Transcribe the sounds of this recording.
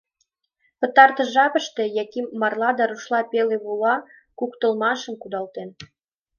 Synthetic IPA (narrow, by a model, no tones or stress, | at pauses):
pə̆t̪ɑrt̪ə̆ʒɑpə̆ʃt̪ejɑkimːɑrlɑd̪ɑɾuʃlɑpeleβulɑ | kukt̪ə̆lmɑʃə̆mkud̪ɑlt̪en